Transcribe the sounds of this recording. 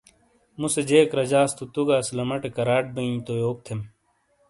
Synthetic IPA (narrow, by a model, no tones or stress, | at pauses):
mused͡ʑeːkɾɐd͡ʑaːst̪ut̪uɡaːslɐmɐʈekɐɾaːʈ̚bɐĩt̪ojoːk̚t̪ʰem